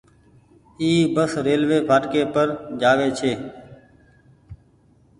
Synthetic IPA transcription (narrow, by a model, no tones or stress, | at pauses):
iːbəsɾeːlʋeːpʰaːʈkeːpəɾd͡ʒaːʋeːt͡ʃʰeː